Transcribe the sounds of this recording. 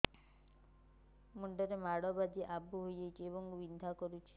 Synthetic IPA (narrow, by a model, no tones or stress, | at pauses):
muɳɖɔɾemaɽɔbad̪iʔabʱuɦojd͡ʒajt͡ʃʰiebɔŋʋind̪ʱakɔɾut͡ʃʰi̥